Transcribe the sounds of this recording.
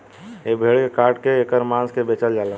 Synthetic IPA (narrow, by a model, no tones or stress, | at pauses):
jebʱeːɭkekaːʈkeeːkəɾmãːskebeːt͡ʃəld͡ʒaːla